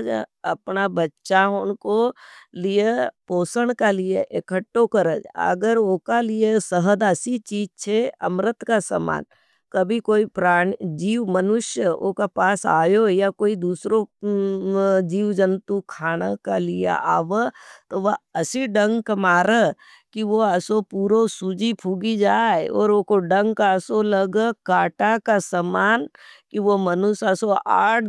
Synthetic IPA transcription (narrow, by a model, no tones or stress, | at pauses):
ɐpnabɐtːʃaonkolijepoːsəɽ̃kalijeʔekʰəʈːokəɾəd͡ʒə̰ɡəɾoːkalijesəɦəd̪əsit͡ʃiːd͡ʒt͡ʃʰeɐmɾət̪kasə̰ma̰ːn | kɐbʱikoːipɾaːɳd͡ʒiːʋmənʊʃjəo̰ːkapaːsa̰ːjojakoːid̪uːsɾo | d͡ʒiːʋd͡ʒənt̪ukʰaːɽ̃akalija̰ʔaːʋət̪oʋɐɐsiɖɐ̃ŋɡkɐmaːɾə | kiʋoɐsopuːɾosud͡ʒipʰuːɡid͡ʒaːeɔ̰ːɾoːkoɖɐ̃ŋɡkaɐsolɐɡkaːʈakasɐmaːnkiʋomɐnʊʃɐsoaːʈ